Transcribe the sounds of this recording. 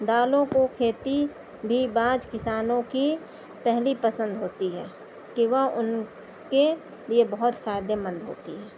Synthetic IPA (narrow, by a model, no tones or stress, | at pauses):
d̪aːlõkokʰeːt̪i | bʱibãːd͡ʒkɪsaːnõki | pɛɦlipəsə̃nd̪ɦoːt̪iɦɛː | kiʋɐɦʊn | ke | liebɐɦʊt̪faːɪd̪emə̃nd̪ɦo̰ːt̪iɦɛː